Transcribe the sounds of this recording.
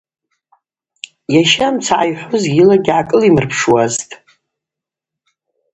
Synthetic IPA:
jaʃamt͡sʰaʕajħʷʊzilaɡʲʕakʼɨlimɨrpʰʂwaztʼ

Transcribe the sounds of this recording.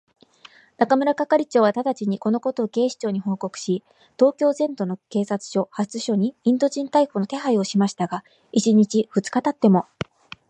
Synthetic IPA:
nakamɯ̟ɾakakaɾʲit͡ɕo̞ːβat̪ad̪at͡ɕiɲ̟iko̞no̞ko̞t̪o̞ːɡe̞ːɕi̥t͡ɕo̞ːɲ̟iɦo̞ːko̞kɯ̟̥ɕi | t̪o̞ːkʲo̞ːzẽ̞nd̪o̞no̞ke̞ːsat͡sɨ̥ɕo̞hat͡sɨɕo̞ɲ̟iĩnd̪o̞ʑĩnt̪aikono̞t̪e̞ɦaio̞ɕimaɕi̥t̪aɡa | it͡ɕiɲ̟it͡ɕiɸɯ̟t͡sɨ̥kat̪at̪ːe̞mo̞

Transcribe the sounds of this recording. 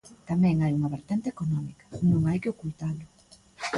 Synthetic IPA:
t̪amɛ̃ŋajuŋɐβeɾt̪ɛnt̪eekonɔmikɐ̥nõŋajkɪokult̪alʊ

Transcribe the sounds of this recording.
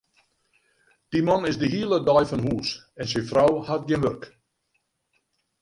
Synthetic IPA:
d̥imɔnɪzdəɦiəlˠədɔjfɔnɦuːs | ɛnsɪfrawhat̚ɡjɪnʋørk

